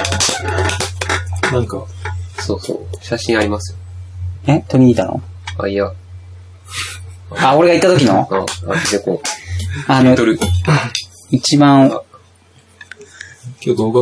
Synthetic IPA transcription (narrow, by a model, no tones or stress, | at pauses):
nãŋkasoːso̰ːɕaɕĩɰ̃aɾʲimasɨjoet̪oɲ̟ʲiiːt̪ano̰a̰ia | ao̞ɾe̞ɡait̪ːat̪o̞k̬ʲinoaed̪eko | anot̪ɾɯ̟ | it͡ɕibãɰ | ko